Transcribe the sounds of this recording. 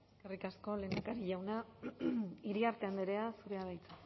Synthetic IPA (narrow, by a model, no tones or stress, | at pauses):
ekerikasko̞le̞nakaɾiʎawna | iɾiaɾt̪e̞and̪eɾe̞asuɾe̞aðajt͡sḁ